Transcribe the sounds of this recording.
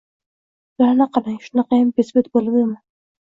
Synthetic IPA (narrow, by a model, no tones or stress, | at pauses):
laɾnaqʰɑlˠaŋʃʊnɑqʰɑjambesbet̪bolˠɪbd̪ɪman